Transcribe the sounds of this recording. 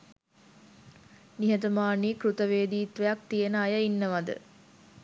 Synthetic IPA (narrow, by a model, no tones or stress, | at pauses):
niɦət̪ɐmaːniːkɾut̪əʋeːd̪iːt̪ʋejak̚t̪ijenəajəinːəʋad̪ə̰